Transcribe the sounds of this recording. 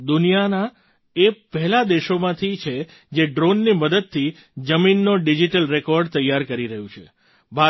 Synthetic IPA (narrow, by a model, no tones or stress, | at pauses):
d̪unijana | epɛɦɛlad̪eʃomãt̪ʰit͡ʃʰe | d͡ʒeɖɾonːiməd̪əd̪̚t̪ʰi | d͡ʒəminːoɖid͡ʒiʈəlɾekɔɾɖt̪əjːaɾkəɾiɾəɦjũt͡ʃʰe | bʱa